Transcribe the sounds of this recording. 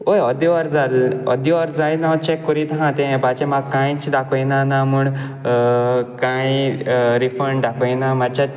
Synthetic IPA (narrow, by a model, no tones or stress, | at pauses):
ojɔd̪iʋaɾd͡zalɔ̰d̪iʋaɾd͡zajnãt͡ɕɛkːɔɾit̪ɦãt̪ɛ̃bat͡ɕɛ̃makãjt͡sd̪akʰəjnanamuɳ | kãiɾifəɾɳɖakʰəjnamat͡ɕa